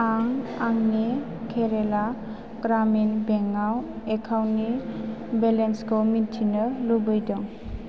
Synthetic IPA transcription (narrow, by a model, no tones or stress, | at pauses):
aŋaŋni | kʰeɾela | ɡ̥ɾaminbeŋaw | ekʰawnibelenskʰɔmintʰinɯlubɯjdɔŋ